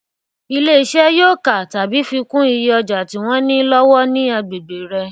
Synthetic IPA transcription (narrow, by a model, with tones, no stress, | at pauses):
i˧le˦i˨˧ʃɛ˦jo˦˨ka˨ta˨bi˨˦fi˧kũ˦i˧jɔ˧d͡ʒa˨ti˨˦w̃ɔ̃˦nĩ˦lɔ˦wɔ˦nĩ˦a˧ɡ͡be˨ɡ͡be˨ɾɛ˧